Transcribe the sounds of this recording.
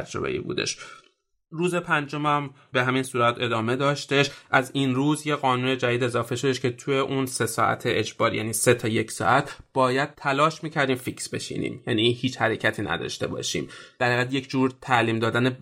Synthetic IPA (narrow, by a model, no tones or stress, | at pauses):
æd͡ʒɾo̰bḛʔḭːbṵːd̪e̞̰ʃ | ɾuːze̞pʰænd͡ʒo̞mæm | be̞ɦæmiːnsuːɾæt̪ʰe̞d̪ɒːme̞d̪ɒːʃt̪e̞ʃʔæzinruːzje̞ɣɒːnuːne̞d͡ʒæd̪iːd̪e̞zɒːfe̞ʃo̞d̪eʃkʰe̞t̪ʰuje̞ʔuːnse̞sɒːʔæ̰t̪ʰeʔed͡ʒbɒːɾjæ̰niːse̞t̪ʰɒːje̞cʰsɒ̰ːʔæt̪ʰb̥ɒːjæd̪̥̚t̪ʰælɒːʃmiːcʰæɾd̪iːmfiksbe̞̰ʃḭːnḭːmjænihiːt͡ʃhæɾe̞cʰæt̪ʰiːnʔæ̰d̪ɒ̰ːʃt̪e̞̰bɒ̰ːʃḭːmd̪̥æɾæɣæd̪je̞kcʰd͡ʒuːɾt̪ʰæliːmd̪ɒːd̪æne